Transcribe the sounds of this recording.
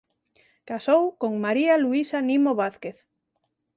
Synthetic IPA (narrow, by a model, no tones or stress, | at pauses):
kasowkoŋmaɾialuisanimoβaθkeθ